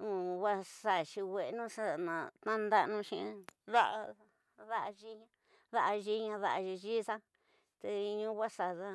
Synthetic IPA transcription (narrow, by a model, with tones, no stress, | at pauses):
ũ˨wa˦sa˨ʃi˧we˨˧nũ˦sa˦˨nã˨t̪ã˦nd̪a˧nũ˧ʃĩ˧ða˦ʔa˧ | ða˦ʔa˧ʒi˦ɲã˧ | ða˦ʔa˧ʒi˧˦ɲã˧ða˦ʔa˧ʒi˧ʒi˦sã˦ | t̪e˧ɲũ˦˧˦wʷa˦sa˨ða˦